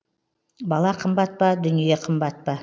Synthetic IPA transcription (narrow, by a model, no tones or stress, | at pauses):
bɑlˠɑqʰəmbɑt̪̚pɑd̪ʏnijeqʰəmbɑt̪̚pɑ